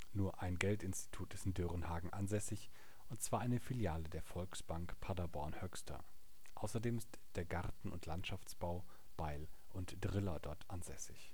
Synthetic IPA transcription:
nuːɐʔaɪnɡɛltɪnsti̥tʰuːtɪstɪndyʁənhaːɡŋ̩ʔanzɛsɪç | ʊntt͡sv̥aːɐʔaɪnəfiljaːlədeːɐfɔlksb̥aŋkpʰadabɔɐnhœkstʰɐ̰ | ʔa̰ʊsɐdeːmɪst | d̥eːɐɡaʁtn̩ʊ̰ntʰlantʃaft͡sb̥aʊ | b̥aɪlʔʊntd̥ʁɪlɐdɔɐtʰʔanzɛ̰sɪ̰ç

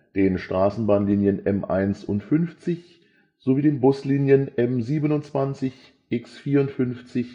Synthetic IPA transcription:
d̥eːnʃtʁ̥aːsn̩baːnliːnjənʔɛmʔa̰ɪnsʔʊntfʏnft͡sɪç | z̥oviːdeːnbʊsliːnjənʔɛmziːbənʊnt͡sv̥ant͡sɪç | ʔɪksfiːɐʊntfʏnft͡sɪç

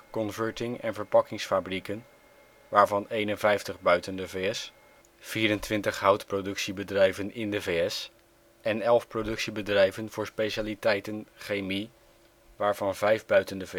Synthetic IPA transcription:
kɔnvəɹtɪŋɛ̰nvəɹpɑkɪŋsfabrikən | ʋaːɹvɑnejnənvɛjftəχbœɥtəndəveɛs | fiːɾəntʋɪntəχɦʌwtprowdɵksibədrɛjvənɪndəvejɛs | ʔɛnɛlˠfprowdɵksibədrɛjvənvʊːɹspejʃaːlitɛjtənχejmi | ʋaːɹv̥ɑnvɛjvbœɥtəndəv

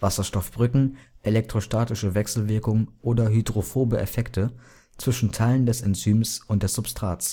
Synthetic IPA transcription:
v̥asɐʃtɔfb̥ʁʏkŋ̩ʔelɛk̚tʁ̥oʃtaːtɪʃəvɛksl̩vɪɐkʊŋəʔoːdɐɦydʁofoːbəʔefɛktʰə | t͡sv̥ɪʃn̩tʰaɪləndɛsɛnt͡syːmsʊnt̚d̥ɛsz̥ʊpstʁ̥aːt͡s

